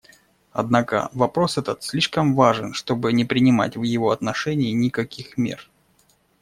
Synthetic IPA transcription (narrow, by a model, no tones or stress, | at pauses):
ɐ̰d̪nakə̰vɐpɾo̞sɛt̪ət̪sʲlʲiʂkəmvaʐɨnʂt̪o̞bɨnʲɪpɾʲɪnʲɪma̰tʲvjɪvo̞ɐt̪nɐʂɛnʲɪɪnʲɪkɐkʲixmʲḛr